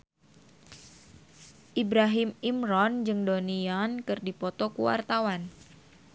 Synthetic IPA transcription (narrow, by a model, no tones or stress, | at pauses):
ʔibɾaɦɪmimɾɔnd͡ʒɨŋdoniankɨrdipɔt̪ɔkṵwa̰rt̪awan